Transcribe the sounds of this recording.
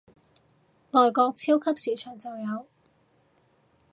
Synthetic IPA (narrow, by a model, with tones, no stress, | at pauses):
lɔː˨jkɔː˧k̚t͡sʰiː˥wkʰɐ˥p̚siː˨˥t͡ʃʰœː˨˩ŋt͡sɐ˨wjɐ˨˧w